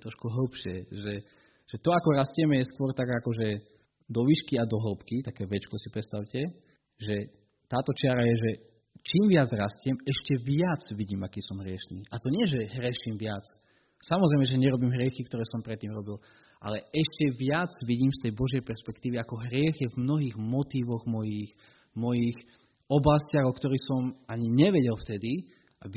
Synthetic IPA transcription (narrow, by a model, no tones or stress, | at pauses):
t̪ɾɔʃkuɦl̩pʃɪɛʒɛ | ʒ̥ɛt̪ɔakɔɾascɛmɛjɛskʊɔɾt̪aɡakɔʒɛ | d̪ɔʋiʃkiad̪ɔɦl̩pkit̪akɛːʋɛt͡ʃkɔsipɾɛt͡sst̪aʊcɛ | ʒɛ | t̪aːt̪ɔt͡ʃɪaɾajɛʒɛ | t͡ʃiːmʋɪad͡zɾascɪɛmɛʃcɛʋɪat͡sʋiɟiːmakiːsɔmɦɾɪɛʃnḭːʔat̪ɔɲɪɛʒɛɦɾɪɛʃimʋɪat͡s | samɔzɾɛɪmɛʒɛɲɛɾɔbiːmɦɾɪɛxikt̪ɔɾɛːsɔmpɾɛt̪ːiːmɾɔbil | ʔa̰lɛɛʃcɛʋɪad͡zʋiɟiːmst̪ɛjbɔʒjɛjpɛɾspɛkt̪iːʋiakɔɦɾɪɛɣjɛvmnɔɦiːɣmɔt̪iːʋɔɣmɔjix | mɔjix | ɔblascɪaɣɔkt̪ɔɾiːxsɔmaɲiɲɛʋɛɟɛlft̪ɛd̪i | ab